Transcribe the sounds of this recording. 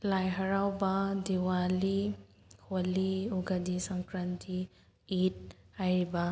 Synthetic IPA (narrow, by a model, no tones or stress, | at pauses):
lajɦɐɾawbadiwali | holiuɡɐdisɐŋkɾantʰi | it̚ | ajɾiba